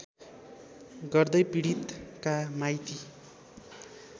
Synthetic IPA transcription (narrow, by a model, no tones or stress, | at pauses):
ɡʌrd̪ʌjpiɽit̪kamajt̪i